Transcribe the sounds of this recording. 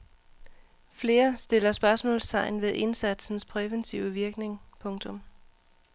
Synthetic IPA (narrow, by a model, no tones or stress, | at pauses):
fle̝ːɐsd̥e̝l̰ɐsb̥ɶɐsmɔ̰ːlst͡sʰɑ̈ɪ̰nʋe̝ðˠʔe̝nsæd̥sn̩spʰʁɛʋent͡sʰiʊəʋiɐɡ̥ne̝ŋpʰɔ̽ŋt͡sʰɔ̽m